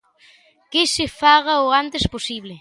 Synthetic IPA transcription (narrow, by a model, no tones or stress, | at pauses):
kɪsɪfaɣ̞aoant̪esposiβle